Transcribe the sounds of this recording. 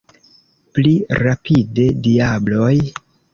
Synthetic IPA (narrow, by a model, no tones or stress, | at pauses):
pliɾapʰide̞diablo̞j